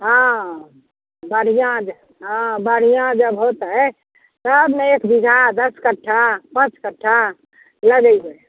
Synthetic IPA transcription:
ɦã | bəɽ̤ijãd͡ʒ | ɦãbəɽ̤ijãd͡ʒəbɦot̪ɦə | t̪əbmẽekbid͡ʒʱad̪əskəʈʰːapə̃t͡ʃkəʈʰːa | ləɡəiɦoe

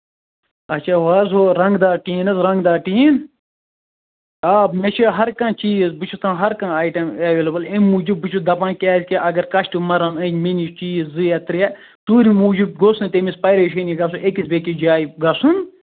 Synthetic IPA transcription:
ɐt͡ʃʃʰaːʋaːzoɾɐŋɡd̪aːʈiːnɐzɾɐ̃ŋɡd̪aːʈiːn | aːbmet͡ʃʰiɦɐɾkɐ̃ːt͡ʃiːzbɨt͡ʃʰut̪ʰãːɦɐɾkãːaːjʈɐmɐʋeːlɐbɐlẽmuːd͡ʒubbɨt͡ʃʰud̪ɐpãːkʲaːsʲkiʔɐɡɐɾkɐʃʈimɐɾɐnɐ̃minit͡ʃiːzːɨɐt̪ɾiɛ | t̪uːɾimuːd͡ʒub̚ɡosunt̪emispɐjɾeʃɐniɡɐs̬uʔekisbʲeːkid͡ʒaːjɡɐsun

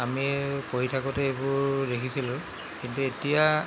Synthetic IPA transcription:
amipoɦitʰakɔtɛebʊɹdekʰisilʊ̃ | kintuetija

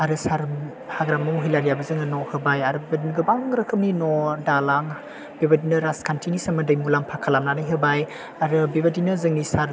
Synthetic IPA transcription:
aɾɯsaɾ | haɡɾamːɐwɦijlaɾijabɐzɯŋɯnɔhɯbajaɾɯbibadinɡɯbaŋɾɯkʰɯmninɔdalaŋ | bebadinɐɾaskʰantʰinisɐmɐdɐjmulaŋpʰakʰalamnanajɦɯbaj | aɾɯbibɐdinɯzɯŋnisaɾ

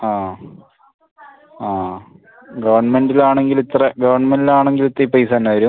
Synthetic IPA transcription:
aː | aː | ɡɐʋɐrɳɐmendilaːɳe̞ŋɡilit̪reɡɐʋɐrɳmendilaːɳe̞ŋɡilit̪ːrɐipɐjsaːnːɐɐɾu

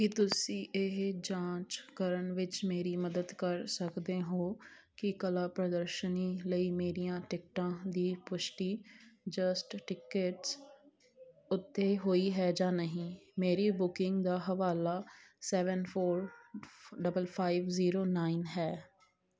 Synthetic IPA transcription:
kɪt̪ʊsĩːʔɪɦd͡ʒãːt͡ʃkəɾəɳʋɪt͡ʃmeːɾiːməd̪əd̪kəɾsəkd̪eːɦoː | kɪkəlaːpɾəd̪əɾʃəniːləiːmeːɾijãːʈɪk̚ʈãːd̪iːpʊʃʈiːd͡ʒəsʈʈɪkəʈs | ʊt̪ʰːeːɦoːiːɦɛːd͡ʒaːnəɦĩːmeːɾiːbʊkɪŋɡd̪aːɦəʋaːlaːsɛːʋənpʰoːɾ | ɖəbəlpʰaːiʋziːɾoːnaːinɦɛː

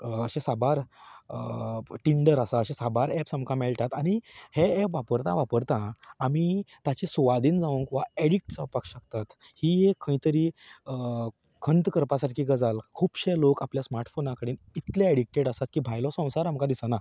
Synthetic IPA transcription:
əɕẽsabaɾəʈiɳɖəɾasaəɕẽsabaɾɛpsamkamɛɭt̪at̪aɽ̃iheɛpʋapəɾt̪ãʋapəɾt̪ãːmiːt̪at͡ɕisuʋad̪iːnd͡zaʋũŋkʋaeɽik̚ʈsəpakɕəkt̪at̪ | hiːɦekʰə̃ĩt̪əɾiːə | kʰənt̪kəɾpasaʈkʰiːɡəd͡zalkʰuːbɕelokapljasmaɾʈfonakəɽiːn | it̪leeɽik̚ʈeɽasat̪̚kiːbʱajlɔsə̃w̃saɾamkãd̪isəna

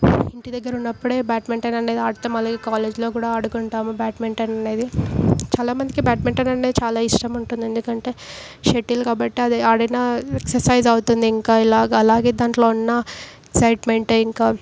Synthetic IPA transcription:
iɳʈid̪ɐɡːɐɾunːɐpːuɽe̞ːbaːʈmeɳʈɐnɐne̞ːd̪iaːɽut̪ɐmɐlaːɡeːkaːleːd͡ʒlo̞ːkuːɽaːɐɽukuɳʈaːmubjaːʈmeɳʈɐnɐne̞ːd̪it͡ʃaːlaːmɐnd̪ikibaːʈmeɳʈɐnɐɳeːd̪it͡ʃaːlaːiʂʈɐmuɳʈund̪ie̞nd̪ukɐɳʈe̞ː | ʃeʈːilkaːbɐʈːiɐd̪iaːɽɐjnaːeksɐɾsɐjzɐwut̪und̪iːŋkaːilaːɡɐlaːɡe̞ːd̪aːɳʈlo̞ːunːɐeksɐjʈmeɳʈiŋkaː

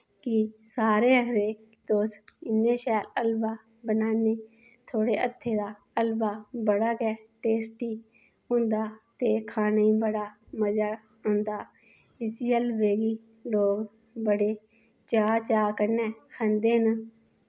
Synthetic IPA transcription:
kɪsaːɾeːəɾeː | t̪oːsɪnːeːʃɛːləlbaː | bənaːneː | t̪ʰoːɽeːʔət̪ʰːeːd̪aː | əlbaːbəɽaːkɛːʈeːsʈiː | ɦʊ̃nd̪aːt̪eːkʰaːnaːiːbəɽaː | məd͡ʒa | ɦʊ̃nd̪aː | ɪsiːəlbeːɡiː | loːɡ | bəɽeː | t͡ʃaːt͡ʃaːkəɾnɛːkʰə̃nd̪eːn

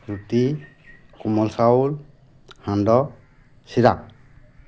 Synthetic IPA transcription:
ɾuti | kumɔlsawl | handɔ | siɾak

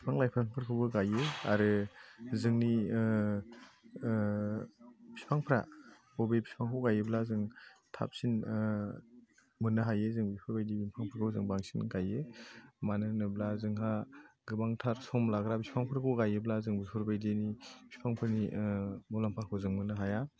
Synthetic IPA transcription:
bispʰaŋlajpʰɾaŋpʰɯɾkʰɯwbɯɡajeaɾɯzɯŋni | bi̥spʰaŋpʰɾa̰ | bɔbebi̥spʰaŋkʰɯwɡajeblazɯŋtʰa̰p̚sin | mɯnɯɦajezɯŋbipʰɯɾbajdibimpʰaŋpʰɯɾkʰɯwzɯŋbaŋsinɡajemanɯnɯblazɯŋɦaɡɯbaŋtʰaɾsɔmlaɡɾabispʰaŋpʰɾakʰɯwɡajɯblazɯŋbipʰɯɾbajdinibʰi̥spʰaŋpʰɯɾnimɔlampʰaɾkʰɯwzɯŋmɯnɯɦaja

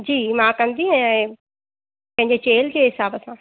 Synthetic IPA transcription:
d͡ʑiːmãkɐ̃nd̪iɦɛ̃ɛ̃ː | pɐ̃ɦɪ̃ɲd͡ʑet͡ɕeːld͡ʑeːɦɪsaːbəsãː

